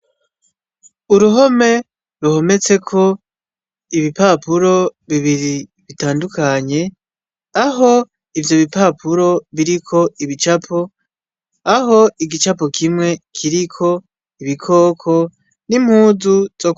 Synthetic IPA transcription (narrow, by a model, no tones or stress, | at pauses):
uɾuɦo̞me̞ | ɾuho̞me̞t͡se̞kʰo̞ | iβipapuɾo̞βiβiɾiβitaːndukaɲe̞ | aɦo̞ | ivjo̞βipapʰuɾo̞βiɾikʰo̞ʔiβit͡ʃapʰo | aɦo̞iɡit͡ʃapokʰimŋe̞kʰiɾikʰo̞ | iβikʰo̞ːkʰo̞ | nim̥huːzuz̥ok